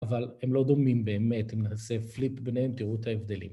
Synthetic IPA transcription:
avalhemlo̞d̪o̞mimbe̞ːme̞t̪emnaseflitbenehemt̪iʁut̪haevd̪e̞lḭm

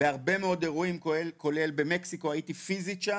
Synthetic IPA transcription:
eaʁbe̞meo̞d̪e̞ʁuimkko̞le̞lbe̞me̞ksiko̞ajitifizitʃa

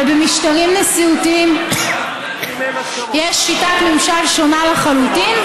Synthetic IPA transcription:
bemiʃtaʁimnesiutiim | jeʃːitatmemʃalʃonalaχalut̪in

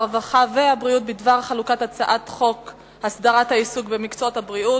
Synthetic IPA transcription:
ʁvaχaveabʁiut̚bidvaʁχalukatat͡saʔatχo̞k | hasd̪aʁathaisuɡbemikt͡sootabʁiu

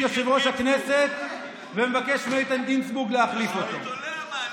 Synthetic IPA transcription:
eʃevʁo̞ʃhakneset̪̚ | vemevakeʃmejt̪ant̪insbuɡleaχlifo̞t̪o

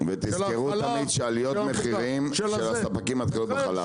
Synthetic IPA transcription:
vet̪izz̥keʁut̪amid̪ʃealijo̞t̪meχiʁimʃelasapakimat̪̚kalot̪̚beχala̰

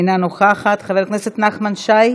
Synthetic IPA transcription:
nanoχaχat̪χave̞kneset̪naχmanʃaj

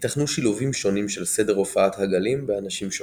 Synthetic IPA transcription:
t̪aχnuʃiluvimʃo̞nimʃe̞lsede̞ʁofaathaɡalimbeanaʃimʃo

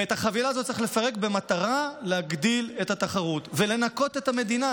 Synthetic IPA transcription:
etaχavilaːzot̪ːt͡seiχle̞faʁe̞kbe̞mat̪aʁaleaɡd̪ile̞thataχaʁutve̞le̞nako̞t̪et̪ame̞d̪ina

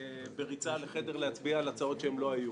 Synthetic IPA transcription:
beʁit͡saleχedeʁleɦat͡sbiaːlat͡sao̞tʃeemlo̞aju

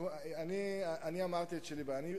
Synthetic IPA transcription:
aniaʔaniamaʁt̪ietʃelibaani

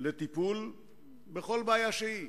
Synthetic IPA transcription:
let̪ipul | beχo̞lbaːjaʃei

